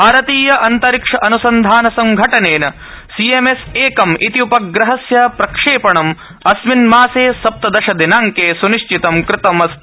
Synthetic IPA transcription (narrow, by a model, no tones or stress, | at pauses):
bʱaːɾɐt̪iːjɐʔɐnt̪ɐɾikʂɐʔɐnusɐnd̪ʱaːnɐsɐŋɡʱɐʈɐneːnɐ | siemeseːkɐmʔit̪iupɐɡɾɐɦɐsjɐpɾɐkʂeːpɐɳɐm | ɐsminmaːseːsɐp̚t̪ɐd̪ɐʃɐd̪inaːŋkeːsuniʂt͡ʃit̪ɐmkɾɪt̪ɐmɐs